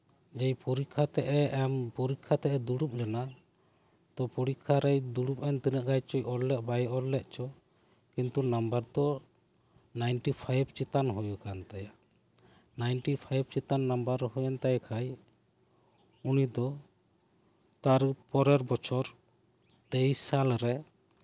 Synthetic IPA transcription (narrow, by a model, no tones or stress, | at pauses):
d͡ʒɛjpuɾikʰːat̪ɛʔɛɛmpuɾikʰːat̪ɛʔɛd̪uɽup̚lɛna | t̪ɔpuɽikʰːaɾɛjd̪uɽup̚ɛnt̪inəʔɡajt͡ʃɔjʔɔɾllɛʔ̚bajʔɔllːɛʔt͡ʃɔ | kint̪unambaɾd̪ɔ | najnʈipʰajbt͡ʃit̪anɦujukant̪ajaʔ | najnʈipʰajb̚t͡ʃit̪anːambəɾhɔjɔnt̪ajakʰaj | unid̪ɔ | t̪aɾpɔɾɛɾbɔt͡ʃʰɔɾ | d̪ejsalɾɛ